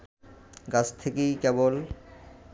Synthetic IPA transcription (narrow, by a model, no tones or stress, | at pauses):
ɡat͡ɕʰt̪ʰekekebol